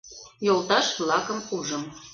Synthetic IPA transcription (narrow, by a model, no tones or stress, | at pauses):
jolˠt̪ɑʃflˠɑkəmuʒəm